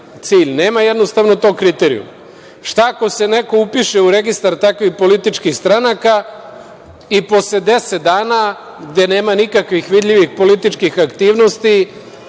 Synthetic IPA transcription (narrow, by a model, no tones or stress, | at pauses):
t̪siːʎne̞ːmajed̪no̞st̪aʋno̞t̪o̞ːkɾit̪eɾḭṵm | ʃt̪ako̞se̞ne̞ko̞upiʃe̞uɾe̞ɡist̪aɾt̪akʋixpo̞lit̪it͡ʃkixst̪ɾanaka | ipo̞sle̞d̪e̞set̪̚d̪aːna | ɡd̪e̞neːmanikakʋixʋid̪ʎʲiʋixpo̞lit̪it͡ʃkixakt̪iːʋno̞st̪i